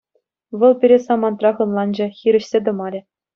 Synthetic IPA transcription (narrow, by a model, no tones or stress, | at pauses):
ʋɤ̆lˠpʲiɾʲesɑmɑnt̪rɑʁɤ̆nlˠɑnd͡ʑɑ̆xʲiɾʲɘ̆ɕsʲed̪ɤ̆mɑɾʲɘ̆